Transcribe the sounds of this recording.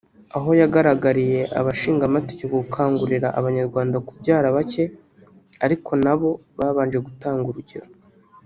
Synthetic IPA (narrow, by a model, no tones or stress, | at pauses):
aɦo̞jaɡaɾaɡaɾije̞ʔa̰βaʃiːŋɡamate̥ceβokʰaːŋɡuɾiɾaʔaβaɲaɾɡwaːndakubɟaːɾaβace̞ | aɾikʰo̞naβo̞βaːβaːnd͡ʒe̞ɡutaːŋɡuɾuɟeɾo